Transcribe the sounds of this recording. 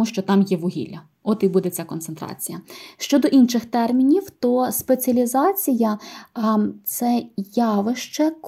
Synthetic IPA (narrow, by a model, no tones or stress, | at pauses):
uʃt͡ʃɔt̪ɑmjɛʋʊɦʲḭlʲɐ | ɔt̪ibud̪et͡sʲakɔnsent̪ɾɑ̰t͡sʲijɐʃt͡ʃɔd̪ɔʔinʃɪxt̪ɛrmʲinʲiwt̪ɔspet͡sʲɐlʲizɑt͡sʲijɐ | t̪sɛjɑʋɪʃt͡ʃɛk